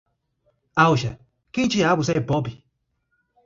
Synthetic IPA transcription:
auʃa̰ | kint͡ʃijaawus̬ɛbɔbi

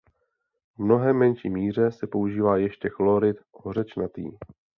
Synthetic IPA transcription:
vmno̞ɦɛmːɛnʃḭːmiːr̝ɛsɛpo̞uʒiːvaːjɛʃcɛklo̞ɾɪt̪ʔorɛt͡ʃnat̪ḭː

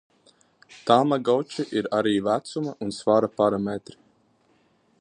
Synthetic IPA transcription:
t̪amaɡawt͡ʃiʔiɾaɾiːvæt̪sumaʔunsvaɾapaɾamɛt̪ɾi̥

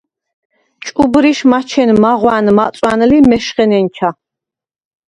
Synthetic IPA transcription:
t͡ʃʼubɾiʃmat͡ʃʰɛnmaʁwanmasʼwanlimɛʃχɛnɛnt͡ʃʰa

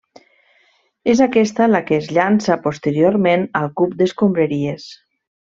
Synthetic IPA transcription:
ezakɛst̪əlakeːzʎansapust̪əɾjoɾmenəlˠkupd̪əskumbɾəɾies

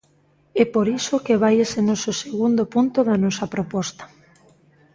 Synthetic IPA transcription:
ɛpoɾisokeβ̞ajesenɔsoseɣund̪opunt̪oðɐnɔsɐpɾopɔst̪ḁ

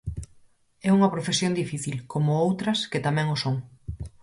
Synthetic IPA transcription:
ɛuŋɐpɾofesjond̪ifiθilkomʊowt̪ɾɐsket̪amɛ̃ŋosoŋ

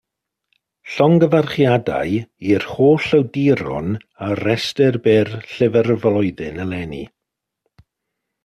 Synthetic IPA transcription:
ɬɔŋɡəvarχjada̰ɨirhoːɬəwdiɾʊ̰n | aɾɛstɛrbɪrɬɪvɛrvlɔɨðɨnəlˠɛnḭ

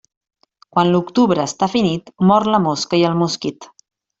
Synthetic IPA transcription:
kwanlukt̪uβɾəːst̪afinit̪mɔrləmoskəiəlˠmuskit̪

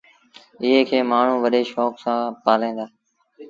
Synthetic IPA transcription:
ɪɦeːkʰeːmaːɳ̤ũːʋəɗeːʃɔːksãːpaːlẽːnd̪aː

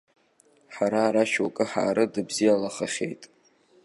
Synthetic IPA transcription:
ħaɾaɾaʃwakʼɨħa̰ːɾɨdɨbzijalaχaχʲḛjtʼ

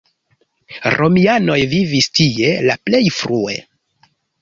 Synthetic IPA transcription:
ɾʔo̞miano̞jvivistie̞laple̞jfɾue̞̰

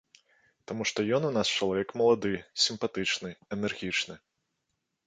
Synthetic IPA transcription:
t̪amuʂt̪ɔjɔnunast͡ʂɐlˠavʲɛkmɐlˠad̪ɨsʲimpat̪ɨt͡ʂnɨɛnɛrɣʲit͡ʂnɨ

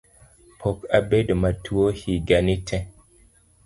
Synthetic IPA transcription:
pʰɔkabedmatʰuohiɡanitʰɛ̃

